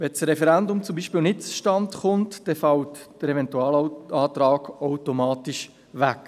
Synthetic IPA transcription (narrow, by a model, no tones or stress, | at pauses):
ʋɛt͡sɾɛfɛɾɛndʊmt͡sʊumbiːʃpiːlnɪt̚t͡su̥ʃtɑntχʊntd̥ɛfɑltd̥əɾɛvɛntuɑːlɑːtɾaːɡaʊtomaːtiʃ | vɛk